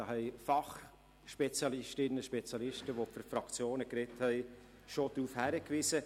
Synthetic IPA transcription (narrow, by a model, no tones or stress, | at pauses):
ɑhɛɪfɑχ | ʃpɛt͡sjɑlɪʃtɪnːəʃpɛt͡sjɑlɪʃtəʋofɪɾfɾɑkt͡sjoːnəkɾɛthɛɪ | ʃod̥̪ɾuːfhæɾəkʋɪsə